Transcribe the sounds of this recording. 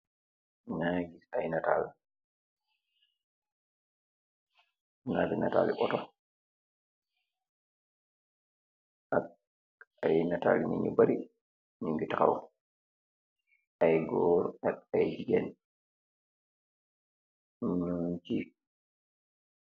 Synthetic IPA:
naɡisajnatal | nabinata̰ːliʔɔtɔ | ʔak̚ | ajnata̰lɲḭŋibaɾi | niŋɡitaka̰wɔ̰ | ajɡɔːɾak̚ajd͡ʒiɡɛn | nund͡ʒi

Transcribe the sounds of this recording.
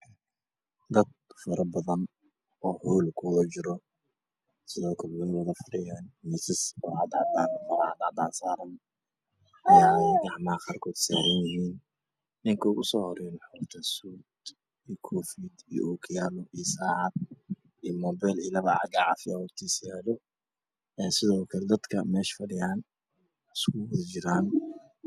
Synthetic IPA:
d̪ɐd̪̚fɐɾɐbɐðɐn | ɔːhuːlkʰʊlɔt͡ʃɪɾɔ | sɪðɔːkʰɐlwʊwɐðɐfʊɽɪjɛːnmɛsɪsʊʕɑd̪ʕɑd̪aːnmɐɾʕɑ̰d̪ɑʕd̪aːnsaːɾɐn | ʔɐjaːɡɑʕmɐχaːrkʰɔːd̪saːɾɐnjɪhiːn | nɪŋkʰɔɣʊsɔːhɔɾɛjnħɔrt̪ʰɐsuːd̪ | iːkʰɔːfiːd̪ḭjʔɔkʰɪjaːlɔʔisaːʕɑd̪̚ | imɔːbɛlilɐβɑʕɑ̰ɡaʕɑ̰fɪɐhʊrt̪ʰiːsjɛːlɔ | ɛsɪðɔːkʰɐlɛd̪ɐd̪kʰɐmɛːʃfɐɽɪjaːn | ɪskʰʊwɐðd͡ʒɪɾaːn

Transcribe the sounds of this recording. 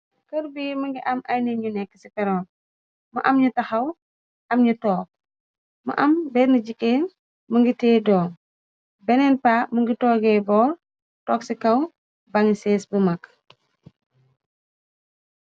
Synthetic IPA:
kɐɾbimɐŋɡiʔɐmɐjnɛɲunɛkːə̥sipɛɾɔːn | mɐ̰ʔɐmɲutɐxɐw | ʔɐmɲutɔːk̚ | mɐ̰ʔɐmbɛːɾnəɟikːɛːn | məŋɡitɛːdɔːŋ | bɛnɛnpaːməŋɡitɔːɡɛːbɔːr | tɔksikɐw | bɐŋsɛsbumɐkː

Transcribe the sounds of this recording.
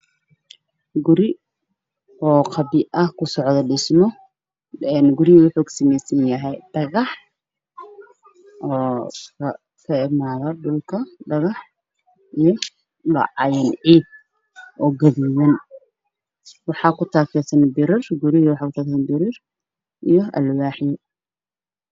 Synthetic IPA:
ɡʊɾɪ | ʔɔːqʰɑbɪʔɐhkʰʊsɔʕðɐɖɪsmɔ | ɛnɡʊɾɪwʊħʊɡsɐmɛsɐnjɐɦɛjd̥ɐɣɑħ | ʔɔːkʰɐ | kʰɐɪmaːðɐdʊlkʰɐɖɐɣɑħ | ʔijɔ | lɑ̰ʕɑjɐnʕiːb̚ | ʔɔːɡɐðiːwɐn | wɑħɑːkʰʊt̪ʰaːkʰɛsɐnbɪɾɪrɡʊɾɪɣwɑħɑːkʰʊt̪ʰaːkːsɐnbɪɾɪr | ʔijɔɐ̰lwaːħjɔ

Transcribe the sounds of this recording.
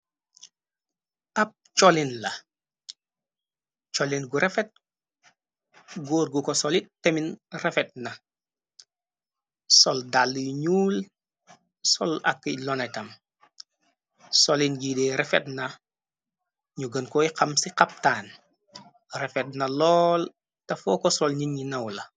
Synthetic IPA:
ɐp̚t͡ʃɔlinlɐ | t͡ʃɔlinɡuɾɛfɛt̚ | ɡuːɾɡukɔsɔlit̚tːeminrefɛt̚nɐ | sɔldalːjɲuːl | sɔ̰lɐ̰kːəlɔnɐtɐm | sɔlinɡidɛɾɛfɛtnɐ | ɲuɡənkɔiqɐmsiqɐp̚taːn | rɛfɛt̚nɐlɔːl | tɐfɔkɔsɔlɲinɲinɐwlɐ

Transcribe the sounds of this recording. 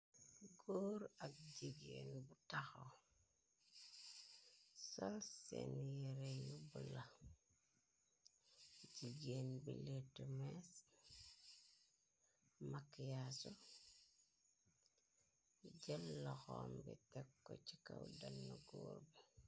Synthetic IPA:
ɡoːɾak̚ɟiɡenbutaxo | solsḛnjeɾejubula | d͡ʒiɡenbiletumes | makjasu | ɟelːɔxombitɛkːot͡ʃikawdanːuɡo̰ːɾbi

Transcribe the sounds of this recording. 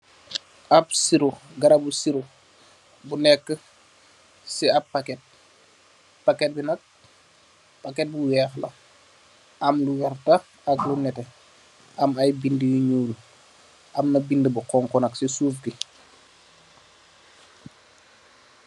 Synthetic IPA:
ʔabsiɾoɡɐɾabusiɾo | bunɛkːə | siab̚pːakɛt̚ | pakɛt̚binɐk̚ | pakɛt̚buwɛxlɐ̰ | ɐmluwɛɾta | aklunɛtɛ | ʔamajbindəjuɲuːl | ʔɐmnɐbindəbuqɔŋkɔnɐksisuːfɡi

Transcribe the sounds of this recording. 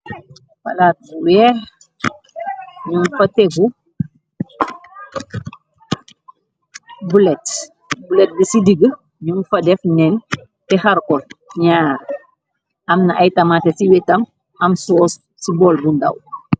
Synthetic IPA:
fɐ̰laːt̚buwɛːr | ɲumfɐtɛɡu | bulɛt | bulɛt̚ɡəsidiɡə | ɲumfɐdɛfnɛn | tɛhɐɾkɔlɲaːɾ | ɐmnɐʔɐjtɐmaːtɛsiwɛtɐm | ɐmsɔːs | sibɔlbundɐ̰w

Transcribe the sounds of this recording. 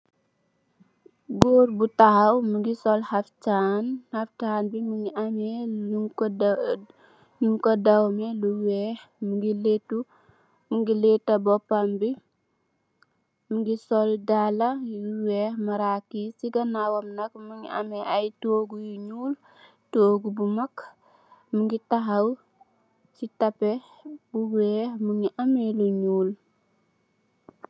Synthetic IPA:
ɡɔːɾbutahɐwmuŋɡisɔlhaftaːnhɐftaːnbimuŋiamɛk | juŋkɔdɐwmɛluwɛhmuŋɡiletːu | muŋɡiletːɐbɔpːambi | muŋɡisoldalauweːhmaɾakisiɡanawamnakmuŋḭʔa̰meʔajtoɡujuɲuːl | toɡubumak | muŋɡitaɦaw | sitape | buweːhmuŋiʔameluɲuːl

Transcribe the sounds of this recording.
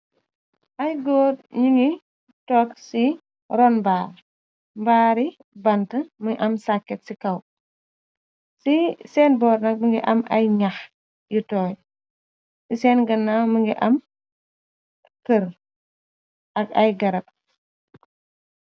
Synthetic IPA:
ʔɐjɡɔːd̚ɲiŋi | tɔːksi | ɾɔnbaːɾ | mbaːɾi | bɐntəməŋʔɐmsakːɛtsikɐw | sisɛːnbɔːɾnɐk̚məŋɡiʔɐmɐ̰jɲɐx | jutɔːj | sisɛːnɡɐnːaməŋɡiʔɐm | kəɾ | ʔɐkɐjɡɐɾɐt̚

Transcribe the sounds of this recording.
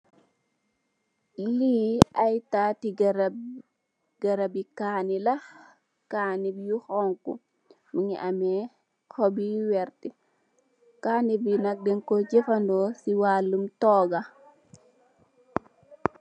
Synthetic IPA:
liːajtatiɡ | ɡ̥ɐɾabikaːnilɐ | kaːnibjuxɔŋkṵ | miŋḭʔamɛ | kɔbiwɛrti | kanibinɐk̚dɛŋkɔɟefɐndɔsiwalːumtɔːɡa

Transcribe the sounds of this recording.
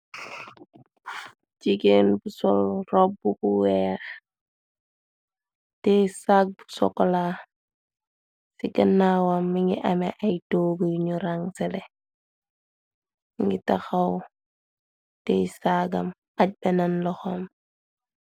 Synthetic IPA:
d͡ʒiɡenbusɔlrɔbːubuwɛːx | tɛsak̚bu̥sɔ̰kːɔla | siɡɐnːawamːiŋɡiʔɐmɛʔajtoɡujɲuɾaŋsɛlɛ | ŋɡitaxɐw | tɛsaɡɐm | ɐc̚bɛnɐnlɔxom

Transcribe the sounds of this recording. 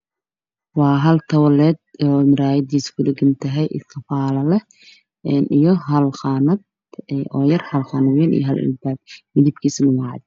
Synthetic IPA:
wɑːɦɐlt̪ʰɐwɐlɛːd̪̚ɔːmɪɾaːjɐd̪iːskʰʊdɐɡɐnt̪ʰɐɦɛjʔɪ̰skʰɐfaːlɐlɛ | ɛnijɞɦɐlχɑːnɐd̪ | ɔːjɐrhɐlχɑnɐwɛːnḭjɦɐlɪ̰lbaːɡ̚mɪðibkʰiːsɗʊmaʕd̪

